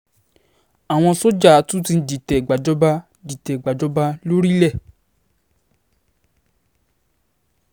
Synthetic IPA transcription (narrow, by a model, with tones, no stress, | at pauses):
a˨w̃ɔ̃˧so˦d͡ʒa˦˨˦tũ˦ti˧˦di˨tɛ˨ɡ͡ba˨d͡ʒɔ˦ba˧ | di˨tɛ˨ɡ͡ba˨d͡ʒɔ˨˦ba˧lo˦ɾi˦lɛ˦˨